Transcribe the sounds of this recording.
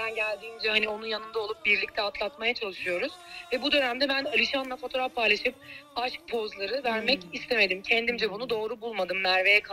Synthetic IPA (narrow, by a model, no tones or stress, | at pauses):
bænɟælʲd̪iːmd͡ʒɛhanio̞nunjanɯnd̪aolˠup̚biɾlʲic̚t̪ʰɛat̪ʰlˠat̪majat͡ʃʰalˠɯʃɯjo̞ɾuz̥vɛbud̪ø̞næmd̪ɛbænalʲiʃanlˠafo̞t̪ʰo̞ɾafpʰajlˠaʃɯp̚aʃk̚pʰo̞zlˠaɾɯvæɾmɛcist̪ʰe̞me̞d̪imcʰɛnd̪imd͡ʒɛbunud̪o̞ːɾubulˠmad̪ɯmnæɾve̞jɛkʰ